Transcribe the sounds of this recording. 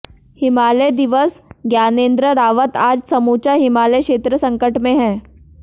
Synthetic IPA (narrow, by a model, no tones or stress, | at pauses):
hɪmaːləjd̪ɪʋəsɡjaːnẽːnd̪ɾəɾaːʋət̪aːd͡ʒsɐmuːt͡ʃaɦɪmaːləkʃeːt̪ɾəsɐ̃ŋkəʈmẽɦɛ̃ː